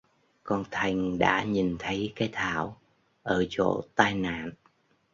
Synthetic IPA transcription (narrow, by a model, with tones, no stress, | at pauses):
kɔ˧nt̪ʰa˨˩jŋ̟ɗa̰ː˧˥ɲi˨˩nt̪ʰə˨˦jkaː˨˦jt̪ʰaː˧˩˨w | ʔəː˧˩t͡ɕo̰˧˨t̪aː˧jna̰ː˧˨n